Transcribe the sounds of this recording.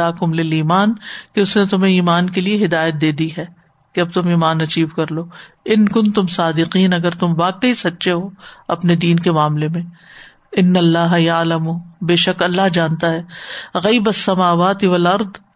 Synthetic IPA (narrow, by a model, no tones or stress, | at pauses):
aːkʊmlɪliːmaːnkeʊsnẽt̪ʊm̤ẽiːmaːnk̬elieɦɪd̪aːjət̪̚d̪eːd̪iɦɛː | keɐb̚t̪ʊmiːmaːnɐt͡ʃiːbkɐɾloː | ɪnkʊ̃nt̪ʊmsaːd̪ɪqiːnɐɡəɾt̪ʊmbaːkəɦisɐtːʃeɦoːɐpned̪iːnkemaːmlemẽ | ɪnːɐlːaːɦjaːlɐmuːbeːʃɐkɐlːaɦd͡ʒãːnt̪aɦɛːɣɐːbɐsːɐmaːʋaːt̪iʋɐlɐɾd̪